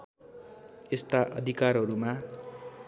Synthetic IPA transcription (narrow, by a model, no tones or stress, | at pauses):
est̪aʔʌd̪ʱikarɦʌɾuma